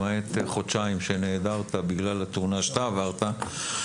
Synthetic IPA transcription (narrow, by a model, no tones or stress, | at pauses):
aet̪χot̪ʃaimʃeneːd̪aʁt̪abiɡlalat̪uʁnaʃt̪aːvaʁt̪a